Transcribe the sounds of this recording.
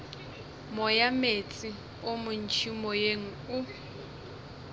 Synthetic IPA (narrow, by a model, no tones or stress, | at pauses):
mɔjamet͡sʼi | omʊn̩t͡ʃʰimɔjeŋ̩ʊ